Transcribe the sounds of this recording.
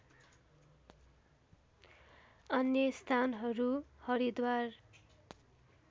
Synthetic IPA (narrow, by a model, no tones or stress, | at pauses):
ʌnjʌst̪ʰanɦʌɾuhʌɾid̪war